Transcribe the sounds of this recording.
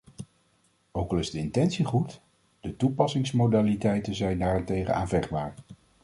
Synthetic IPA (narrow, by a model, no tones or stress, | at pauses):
owkɑlˠɪzdəɪntɛnsiχut | d̥ətupɑsɪŋsmowdaːlitɛjtənzɛjndaːɹɛntejχə̰nʔa̰ːnvɛχd̚baːɹ